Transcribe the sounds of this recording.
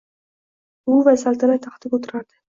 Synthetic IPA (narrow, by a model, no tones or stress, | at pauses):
ʊvasalˠt̪ʰanat̪ʰɑχt̪ʰɪpot̪ʰɪɾaɾd̪ɪ